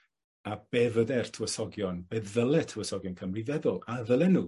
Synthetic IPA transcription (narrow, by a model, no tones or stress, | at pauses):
ab̥ɛvədɛr̥tʰəwəsɔɡjɔnbɛððəlˠɛtʰəwəsɔɡjɔnkʰəmriðɛðʊlˠaðəlˠɛnuː